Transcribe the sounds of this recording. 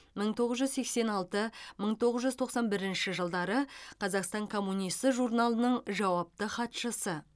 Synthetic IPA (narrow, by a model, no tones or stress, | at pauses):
məɴt̪ʰo̞ʁəzʒʏzse̞kse̞nɑlˠt̪əməɴt̪ʰo̞ʁəzʒʏzt̪ʰo̞qsɑnbɪɾɪnʃɪʒəlˠd̪ɑɾəqʰɑzɑqst̪ɑɴkʰo̞mːunijst̪əʒuɾnɑlˠənəɴʒɑwɑp̚t̪əχɑt̪ʃəsə